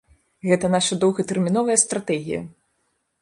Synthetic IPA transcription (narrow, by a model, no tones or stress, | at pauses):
ɣɛt̪ɐnaʂɐd̪ɔwɣɐt̪ɛrmʲinɔvɐjɐst̪ɾat̪ɛɣʲijɐ̰